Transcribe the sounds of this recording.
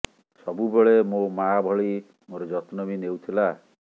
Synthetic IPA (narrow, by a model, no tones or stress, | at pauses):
sɔbubeɭemomabʱɔɭi | moɾɔd͡ʒɔt̪nɔbinewt̪ʰila